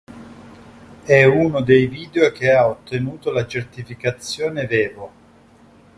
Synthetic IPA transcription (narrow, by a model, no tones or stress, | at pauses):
ɛunod̪ejviːd̪eok̟eaot̪ːenuːt̪olat͡ʃert̪ifikat̪sːjoːnevɛːvo